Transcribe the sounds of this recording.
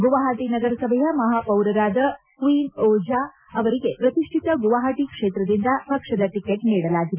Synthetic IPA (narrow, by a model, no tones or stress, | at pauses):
ɡuʋaːɦaːʈinɐɡɐɾɐsɐbʱɛjɐmɐɦaːpɐwɾɐɾaːd̪ɐ | kʋiːnɔːd͡ʒaː | ɐʋɐɾiɡe̞pɾɐt̪iʂʈʰit̪ɐɡuʋaɦaːʈikʂeːt̪ɾɐd̪ind̪ɐpɐkʂɐd̪ɐʈikeʈniːɽɐlaːɡid̪e